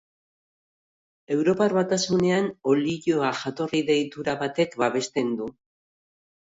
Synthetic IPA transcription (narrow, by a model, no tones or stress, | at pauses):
e̞wɾo̞paɾβat̪asune̞ano̞liʝo̞aʝat̪o̞riðe̞jt̪uɾaβat̪e̞kbaβe̞st̪e̞nd̪u